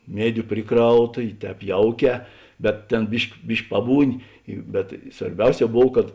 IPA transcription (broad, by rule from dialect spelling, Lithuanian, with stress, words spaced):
ˈmʲiɛdʲʊ ˈpʲrʲɪˌkrɐʊˌtɐ ɪ ˈtʲɛːp ˈjɛʊˌkʲɛː bʲɛt ˈtʲeːn ˈbʲɪʃʲkʲ ˈbʲɪʃʲkʲ ˈpɑːbuːˌnʲɪ ɪ bʲɛt sʋɐrʲˈbʲɛʊˌsʲɛː ˈboːw kɐt